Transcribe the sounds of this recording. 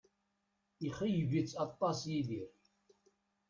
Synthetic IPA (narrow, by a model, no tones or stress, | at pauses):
iχijvit͡sːɑt̪ˤːɑsjiðiɾ